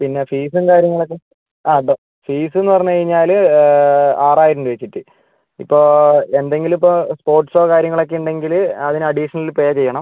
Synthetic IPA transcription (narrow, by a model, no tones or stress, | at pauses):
pinːe̞fiːs̬ɨnkaːɾjɐŋːɐɭokːe | aːɖo | fiːsɨe̞nːɨpɐrɐɲːukɐɻiɲːaːl | aːraːjiɾunɖɨʋet͡ɕːiʈːɨ | ipːo̞ːend̪e̞ŋɡilipːospo̞ːrʈsoːkaːɾjɐŋːɐɭo̞kːeuɳɖe̞ŋɡilɐðinɨɐɽiʂɐnɐlilpoːjat͡ɕejːɐɳɐm